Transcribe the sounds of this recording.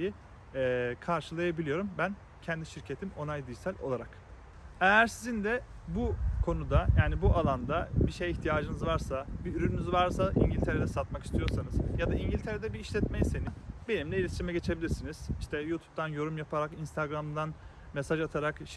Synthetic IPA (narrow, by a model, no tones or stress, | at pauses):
i | ɛːkʰaɾʃɯlˠajabilʲijo̞ɾumbæn | cʰɛnd̪iʃiɾcʰe̞t̪ʰimo̞najd̪ɯːjsælʲolˠaɾak | ejæɾsizind̪ɛbukʰo̞nud̪ajaːnibuʔalˠand̪abiʃejiçt̪ʰijaːd͡ʒɯnɯzvaɾsabiyɾynynyzvaɾsaʔḭɲɟilʲt̪ʰeɾed̪ɛsat̪maki̥st̪ʰijo̞ɾsanɯz̥jad̪aiɲɟilʲt̪ʰe̞ɾed̪ɛbiːʃlʲɛt̪me̞jise̞ninbenimlʲɛilʲiʃɾimɛɟe̞t͡ʃʰe̞bilʲiɾsiniz̥iʃt̪ʰɛjuːt̪ʰu̥p̚t̪ʰanjo̞ɾumjapʰaɾakinst̪ʰaɡɾamd̪an | mesaʒat̪ʰaɾakʃ